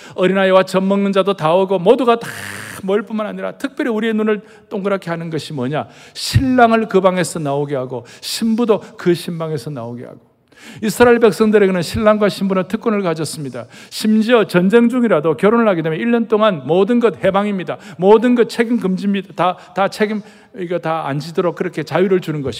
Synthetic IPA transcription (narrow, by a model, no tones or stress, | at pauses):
ʌɾinaewat͡ɕʌmmʌŋnɯnd͡ʑadotaɯɡomoduɡatḁmʌiɭp͈unmanaɲiɾa̰tʰɯk̚p͈ʲjʌɾiuɾienunɯɭ | t͈oŋɡɯɾakʰeɦanɯnɡʌɕʰimʌɲaɕʰiɭːaŋɯɭkɯbaŋe̞sʰʌnaoɡeɦaɡoɕʰimbudokɯɕʰimbaŋe̞sʰʌna̰oɡḛha̰ɡ̥o̥ | isʰɯɾaiɭbe̞k̚s͈ʌŋdɯɾe̞ɡenɯnɕʰiɭːaŋɡwaɕʰimbunɯntʰɯk͈unɯɭkad͡ʑʌs͈ɯmɲidaɕʰimd͡ʑiʌt͡ɕʌnd͡ʑe̞ŋd͡ʑuŋiɾadokjʌɾonɯɭhaɡidemjeiɭːʌnt͈oŋanmʌdɯnɡʌt̚he̞baŋimɲidamodɯnɡʌt̚t͡ɕʰeɡimkɯmd͡ʑimɲidatatat͡ɕʰeɡim | iɡʌtaa̰nd͡ʑidɯɾok̚kɯɾʌkʰe̞t͡ɕajuɾɯɭd͡ʑunɯnɡʌɕi